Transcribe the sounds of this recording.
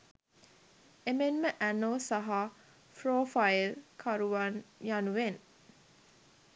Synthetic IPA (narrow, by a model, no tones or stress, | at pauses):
emenməʔænoːsɐɦa | fɾoːfɐjilkʰɐɾuʋɐnjanuʋen